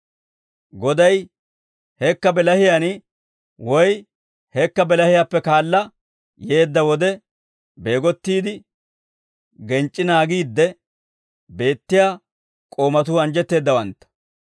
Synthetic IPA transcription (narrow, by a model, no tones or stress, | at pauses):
ɡɔd̪ɐj | hɛkːɐbɛlɐhɪjan | wɔj | hɛkːɐbɛlɐhɪjaːpːɛkaːlːɐ | je̞ːd̪ːɐwɔd̪ɛ | be̞ːɡɔt̪ːiːd̪ɪ | ɡɛnt͡ʃʼːɪnaːɡiːd̪ːɛ | be̞ːt̪ːɪjaː | kʼo̞ːmɐt̪̬uːɐnd͡ʒɛt̪ːe̞ːd̪ːɐwɐnt̪ːɐ̥